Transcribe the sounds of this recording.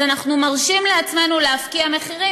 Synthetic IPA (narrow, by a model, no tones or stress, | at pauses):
anaχnumaʁʃimleat͡sme̞nuleafkiame̞χiʁi